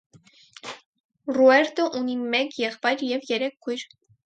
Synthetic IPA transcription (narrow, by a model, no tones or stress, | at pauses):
ruɛɾt̪əʔunimɛkjɛχpɑjɾjɛvjɛɾɛkʰːujɾ